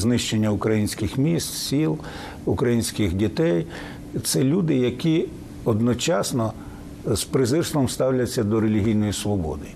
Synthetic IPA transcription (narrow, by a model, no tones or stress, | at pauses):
znɪʃt͡ʃenʲːɐukɾɐjinʲsʲkɪxmʲist̪sʲilˠ | ukɾɐjinʲsʲkɪxdʲit̪ɛj | t̪sɛlʲud̪ɪjɐkʲi | ɔd̪nɔt͡ʃɑsnɔ | spɾɪzɪɾst̪ʋɔmst̪ɑwlʲɐt͡sʲːɐd̪ɔɾelʲiɦʲijnɔjisʋɔbɔ̰d̪ɪ